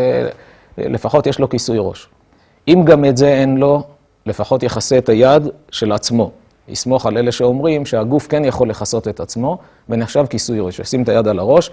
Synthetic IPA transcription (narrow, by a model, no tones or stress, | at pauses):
lefaχo̞tjeʃlo̞kisujʁo̞̰ʃ | imɡametze̞enlo̞ | le̞faχo̞t̪je̞χaset̪ajad̪ʃe̞lat͡smo̞ | ḭsmo̞χale̞leʃeo̞mʁimʃeaɡufke̞njaχo̞lːe̞χaso̞t̪et̪at͡smo̞ | veneχʃavkisujʁoʃesimet̪ajad̪alaʁo̞ʃ